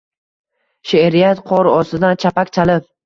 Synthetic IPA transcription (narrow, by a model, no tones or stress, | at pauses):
ʃeɾijat̪qʰɒɾɒsɪd̪ant͡ʃʰapakʲt͡ʃʰalɪp̚